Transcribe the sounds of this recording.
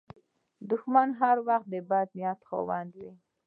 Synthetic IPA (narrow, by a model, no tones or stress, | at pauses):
d̪ʊxmanɦaɾwaxt̪̚d̪əbad̪̚nijat̪xo̰wand̪wi